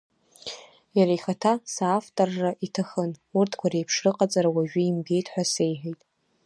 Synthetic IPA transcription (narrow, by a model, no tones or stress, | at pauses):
jaɾaiχatʰasaːftʼorːaʔitʰaχənurtʰkʷʰaɾejpʰʂrɨqʼat͡sʼaɾawaʒᶣʊimɡʲe̞jtʰʼħʷᶣase̞jħᶣejtʼ